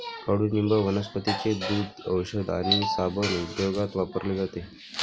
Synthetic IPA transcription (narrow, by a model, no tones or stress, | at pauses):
kəɽunimbəʋənəspət̪it͡sed̪uːd̪əwɕəd̪a̰ɽ̃isabʱənud̪joɡat̪ʋapəɾled͡zat̪e